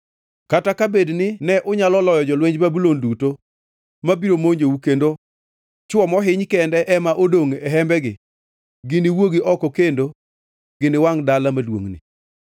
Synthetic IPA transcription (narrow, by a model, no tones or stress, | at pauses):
katakabednɪnɛʔʊɲalɔlɔjɔd͡ʒɔlweɲd͡ʒbabulonduto | mabiɾomoɲd͡ʒeukendo | t͡ʃwɔmɔɦɪɲkɛndɛʔɛmaʔodoŋɛɦɛmbɛɡɪ̰ | ɡɪnɪwoɡiʔɔkɔkendo | ɡ̥ɪnɪwaŋdalamadwo̰ŋnɪ̰